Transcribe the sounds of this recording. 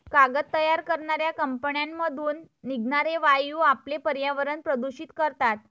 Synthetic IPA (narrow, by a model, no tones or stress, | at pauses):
kaɡət̪ːəjaɾkəɾɳaɾjakəmpəɳjamːəd̪ʱuːnː | iɡnaɾeʋajuːaplepəɾjaʋəɾəɳpɾəd̪uɕiːt̪kəɾt̪at̪̚